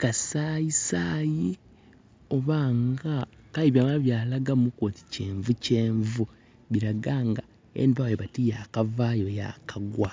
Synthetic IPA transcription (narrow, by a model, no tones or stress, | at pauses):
kasajisaːji | oβaːŋɡa | kajiβjamaaβjaːlaɡamukoti̥ceːɱvuceːɱvu | βiɾaɡaːŋɡa | ḛniβawajeβatijaːkavaːjo̞ja̰kʰaɡwa